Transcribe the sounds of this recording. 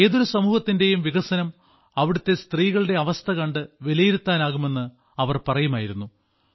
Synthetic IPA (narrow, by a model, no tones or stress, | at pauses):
e̞ːðo̞ɾusɐmuːhɐt̪ːinde̞jumʋiɣɐsɐnɐm | ɐʋiɽut̪ːe̞st̪riːɣɐɭɨɽe̞ɐʋɐst̪ʰɐkɐɳɖɨʋilɐjiɾut̪ːaːnaːɣume̞nːɨ | ɐʋɐrpɐrɐjumaːjiɾunːu